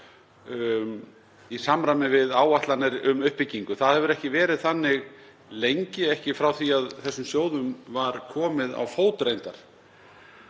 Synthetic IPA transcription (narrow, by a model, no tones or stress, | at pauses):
isamɾamɪvɪðaːwaht̪lanɪɾʏmʏhpɪcːiŋkʏθaðhɛvʏɾɛhcɪvɛːɾɪðθanːɪɣ | lejɲcɪɛhcɪfɾawθiaðθɛsːʏmsjoːwðʏmvaɾkʰɔːmɪða̰wfoːwt̪ɾejnt̪aɾ̥